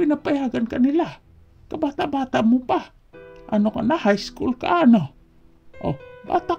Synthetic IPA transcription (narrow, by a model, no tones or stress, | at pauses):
inapajaɡankanila | kabat̪aʔbat̪aʔmupa | ʔa̰nokanahajskṵlka̰ʔano | ʔo̰ba̰t̪a